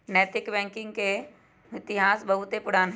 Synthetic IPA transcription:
nɛːt̪ɪkbɛ̃ːŋkɪ̃ŋɡke | ɪt̪ɪɦaːsbɐɦʊt̪epʊɽaːnɦ

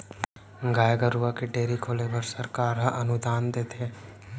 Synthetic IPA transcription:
ɡaːjɡəɾuakeɖeːɾikʰoːlebɐɾsɐɾkaːɾɦaʔɐnʊd̪aːnd̪eːt̪ʰeː

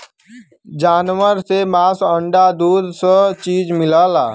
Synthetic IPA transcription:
d͡ʒaːnwəɾsemaːsəɳɖad̪uːd̪sət͡ʃiːd͡ʒmɪlaːlaː

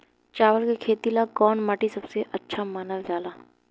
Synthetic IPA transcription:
t͡ʃaːʋəlkekʰeːt̪ilaɡɔːnmaːʈisɐbseʔɐtːʃʰamɐnəld͡ʒaːlaː

